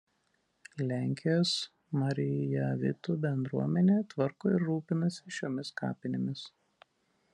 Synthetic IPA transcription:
lʲæˑŋʲkʲɪjoːs | mɐɾʲɪjɐʋʲɪ̰t̪uːbʲɛnd̪ɾuɔmʲɛnʲeːt̪ʋɐɾkoːɪɾːuːpʲɪnɐsʲɪʃʲoːmʲɪskɑ̰ːpʲɪnʲɪmʲɪs

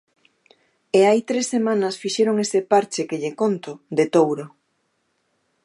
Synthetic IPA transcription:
eajt̪ɾesːemãnɐsfiʃeɾoŋesepaɾt͡ʃekeʎekont̪od̪et̪owɾo

